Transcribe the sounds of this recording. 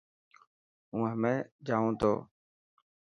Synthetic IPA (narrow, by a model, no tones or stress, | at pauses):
ũːɦəmẽːd͡ʒaːõːt̪ʰo̰ː